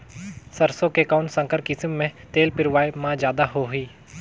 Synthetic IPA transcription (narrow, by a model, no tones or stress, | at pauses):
sɐɾsõkekaːʊnsə̃ŋkəɾkɪsmːẽt̪eːlpɪɾʋaːemãd͡ʒjaːd̪aɦoɦiː